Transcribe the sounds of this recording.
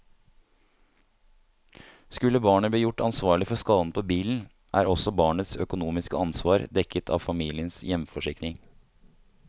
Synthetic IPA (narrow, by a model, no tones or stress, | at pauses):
skʉlːəbɑːɳəb̪iːjʊʈɑnsʋɑːɭɪfɔskɑːd̪n̩pʰoːbiːln̩ | ʔæ̰ːɾɔsɔbɑːɳət̪sœkʊnuːmɪskə̰ɑnsʋɑːɾd̪ɛkət̪ʰɑ̰ːʋfɑmiːlɪənsjɛmfɔʂɪknɪŋ